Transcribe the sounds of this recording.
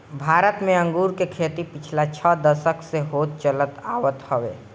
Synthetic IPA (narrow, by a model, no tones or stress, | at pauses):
bʱaːɾət̪mẽə̃ŋɡuɾkekʰet̪ipɪt͡ʃʰlat͡ʃʰəd̪əsəkʰseɦoːt̪̚t͡ʃələt̪aːʋət̪həʋḛː